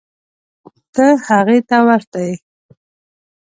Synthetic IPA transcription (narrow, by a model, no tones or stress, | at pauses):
t̪əhaɣet̪awaɾt̪aj